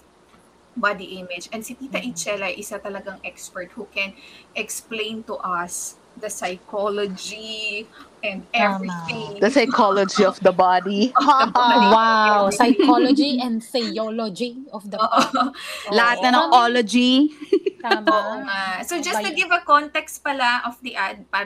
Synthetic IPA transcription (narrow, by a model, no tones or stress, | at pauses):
bad̪iʔɪmɪd͡ʒɛnd̪sɪp̪iːt̪ɐʔit͡ʃɛlɐjʔɪsat̪ɐlɐɡaŋʔɛkspɛɹt̪̚hukɛ̃nʔɛksplẽjnt̪ʊʔɐs | d̪ɐsɐjkʰolod͡ʒi | ʔɛ̃nd̪̚ɛviɪ̃ŋd̪ɐsɐjkʰolod͡ʒiɔfd̪ɐbad̪i | wawsɐajkolod͡ʒiʔɛ̃nd̪fɛjolod͡ʒiɔfd̪ɐoːʔ | lɐhat̪̚nɐnɐŋʔolod͡ʒi | amŋasod͡ʒɐst̪uɡɪvɐkɔnt̪ɛkst̪̚pɐlaʔɔfd̪iʔɐd̪̚pa